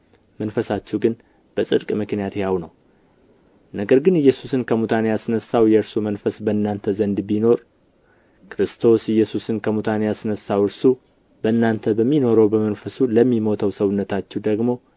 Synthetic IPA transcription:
mənfəsat͡ʃːɛwɡɨn | b̥əsʼɨd̪kʼmɨknijat̪jawnəw | nəɡəɾɡɨnɪjːɛsusɨnkʰəmut̪ʰanejasɨnəsawjɛɨɾsumənfəsbəɨnːant̪ʰəzənd̪bino̞ɾ | kʰɾɨst̪ʰo̞sɪjːɛsusɨnkʰəmut̪ʰanejasɨnəsawɨɾsu | bəɨnːant̪ʰəbəmːino̞ɾəwbəmənfəsuləmːimo̞t̪ʰəwsəβɨnːət̪ʰat͡ʃːɛwd̪əɡmo̞

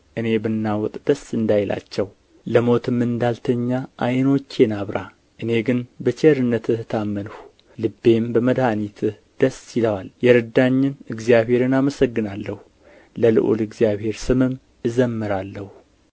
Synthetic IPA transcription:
ʔɨne̞bɨnːawɔt̪ʼd̪̥əsɨnd̪ajla̰t͡ʃːɛw | ləmo̞t̪ʰɨmːɨnd̪alt̪ʰəɲːaʔajno̞t͡ʃːenaβɾa | ʔɨne̞ɡɨnbət͡ʃeɾɨnːət̪ʰɨht̪ʰamːənhu | lɨbːe̞mbəməd̪hanit̪ʰɨh | d̪̥əsiləwaljɛɾɨd̪aɲːɪnɨɡzijaβhe̞ɾɨnaməsəɡːɨnalːəhu | ləlɨ̰ʔo̰lɨɡzijaβhe̞ɾsɨmɨm | ɨzəmːɨɾalːəhu

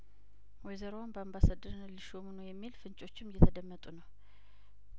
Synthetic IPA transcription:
wɔjzəɾonbəambasad̪əɾnliʃomnəwjɛmːilfɨnt͡ʃʼo̞t͡ʃːɪmːjɛt̪ʰəd̪əmːət̪ʼunəw

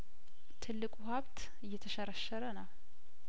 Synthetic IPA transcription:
t̪ʰɨlːɨkʼuhaβt̪ | ɨjːɛt̪ʰəʃəɾəʃːəɾənaw

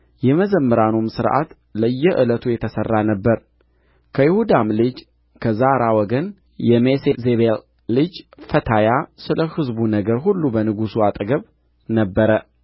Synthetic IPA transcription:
jɛməzəmːɨɾanumsɨɾʔa̰t̪ | ləjːɛʔɨlət̪ʰujɛt̪ʰəsərːanəbːəɾ | kʰəjɪhud̪amlɨd͡ʒ | kʰəzaɾawɔɡən | jɛmesezeβelː | ɨd͡ʒfət̪ʰajasɨləhɨzbunəɡəɾɦulːubənɨɡusuat̪ʼɡəβ | nəbːəɾə

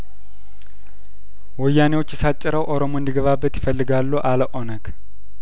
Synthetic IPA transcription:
wɔjːanewot͡ʃːjɛsat͡ʃʼːɪɾəwʔo̞ɾo̞moɨnd̪iɡəβabːət̪jɪfəlːɨɡalːoʔaləʔonəɡ

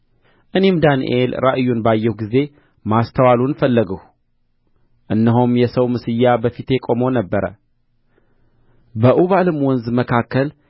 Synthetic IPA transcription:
ʔɨne̞md̪anḭʔelɾa̰ʔɨjːunbajːɛhɡize̞ | mast̪ʰəwalunfəlːəɡəh | ʔɨnːəɦomjɛsəwmɨsɨjːabəfit̪jekʼo̞monəbːəɾə̰ | bəʔuβalɨmwɔnzməkʰakːəl

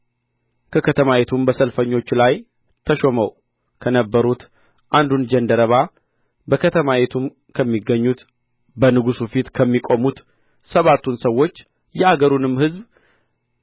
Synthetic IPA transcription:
kʰəkʰət̪ʰəmajet̪ʰumbəsəlfəɲːo̞t͡ʃːlaj | t̪ʰəʃo̞məw | kʰənəbːəɾut̪ | ʔand̪und͡ʒənd̪əɾəβa | bəkʰət̪ʰəmajet̪ʰum | kʰəmːiɡːəɲːut̪ | bənɨɡusufit̪kʰəmːikʼo̞mut̪ | səβat̪ːunsəwːo̞t͡ʃː | jɛaɡəɾunɨmhɨzb

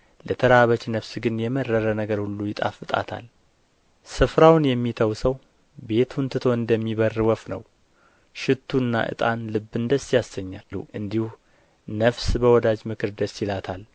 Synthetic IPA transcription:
lət̪ʰəɾaβət͡ʃnəfsɡɨnjɛmərːəɾənəɡəɾhulːujɪt̪ʼa̰fɨt̪ʼa̰t̪ʰa̰l | sɨfɾawnjɛmːit̪ʰəwsəw | be̞t̪ʰunt̪ʰɨt̪ʰo̞ɨnd̪əmːiβərɨwɔfnə̰w | ʃɪt̪ʰːuɨnːa̰ʔɨ̰t̪ʼanlɨbːɨnd̪əsjasəɲːauʔɨnd̪ihu | nəfsbəwɔd̪ad͡ʒmɨkʰɨɾd̪əsjɪlat̪ʰal

